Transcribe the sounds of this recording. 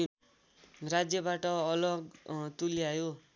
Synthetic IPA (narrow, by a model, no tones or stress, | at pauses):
rad͡zjʌbaʈʌʌlʌɡt̪uliajo